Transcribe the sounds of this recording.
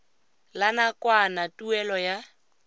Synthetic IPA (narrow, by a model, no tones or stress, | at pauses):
lanakʼwanatʼuɛlɔja